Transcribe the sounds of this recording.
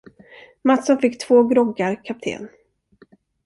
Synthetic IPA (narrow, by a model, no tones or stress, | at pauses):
mat̪sɔnfɪkːt̪ʰvoːɡɾɔɡːaɾkʰap̚t̪ʰḛːn